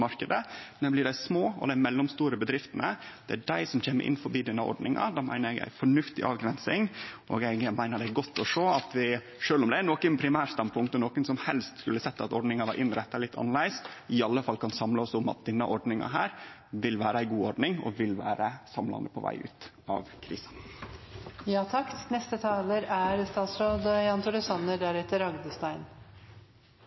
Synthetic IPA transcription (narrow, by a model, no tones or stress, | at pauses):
mɑɾkəd̪ənɛblɪɖæɪsmoːɔ̰d̪æɪmɛlːɔmst̪uːɾəbəd̪ɾɪft̪ənəd̪̥ɛæɖæɪsɔmçeːmːə̰ʔɪ̰nːfɔɾbiːd̪ɛnːəɔ̰ɖɳɪŋɑ̰d̪ɑːmæ̰ɪnəɾɛɡæ̰ɪfɔɳʉft̪ɪʔɑːʋɡɾɛnsɪŋʔɔ̰ːɡɛɡmæɪnəɖɛɡɔt̪ːɔʂoːɑt̪ʋɪ | ʂøːlʊmd̪ɛænɔːkənpʰɾɪmæːɾst̪ɑnpʰʊŋkt̪ɔnɔːkənsɔmhɛlst̪skʉlːəsɛt̪ːɑt̪ɔɖɳɪŋɑʋɑ̰ɾʔɪnɾɛt̪ːɑlɪt̪ːʰɑ̰nəlæɪsɪɑlːəfɑlːkʰɑnsɑmləɔsʊmɑ̰t̪̚d̪ɛnːɑʔɔɖnɪŋɑ̰ɦæ̰ːɾ | ʋɪlʋæːɾəæɪɡuːɔɖɳɪŋɔ̰ʋɪlʋæːɾəsɑmlɑ̰nd̪əpʰɔ̰ʋæ̰ɪʉ̰ːt̪ | ɑ̰ʋkʰɾḭːsɑn | jɑːt̪ʰɑknɛst̪ət̪ʰɑːləɾæɾst̪ɑːt̪sɾoːd̪jɑnt̪ʊɾəsɑnːəɖæɾɛt̪ːəɾɑɡd̪əst̪æɪn